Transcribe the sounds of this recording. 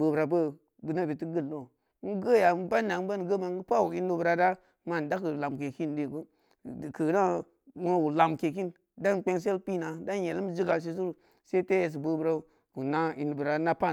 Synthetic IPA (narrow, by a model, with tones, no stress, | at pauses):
bə˨bɾa˨bə˦ | ɡɨ˨na˦˨bi˨ti˦ɡə˦˨lːo˦˨˦ | n̩˦ɡə˦ja˨˦ba˦nːa˨˦n˦ba˦n˨ɡə˦ma˨˦ə˦pa˦wu˨i˦nu˦bə˨ɾa˨da˦ | ma˨n˨da˦kɨ˨la˨mke˨ki˦ndi˨ɡu˦˨ | kə˨˦na˦ | u˦a˨ku˨la˨mke˨k̬i˦n | da˦˨k͡pe˦ŋs̬e˦lpi˦˨na˨da˦je˨lə˦m˦zi˦ɡa˨s̬i˨s̬u˦ɾu˨ | se˦te˦je˨s̬i˨bə˨bɾa˨˦ | ku˨na˦i˨nu˨bə˨ɾa˨˦na˦pa˦